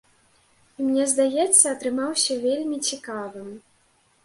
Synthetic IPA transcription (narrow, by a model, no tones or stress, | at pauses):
imnʲɛzd̪ajɛt̪sːɐːt̪ɾɨmawsʲɐvʲelʲmʲit͡sʲikavɨm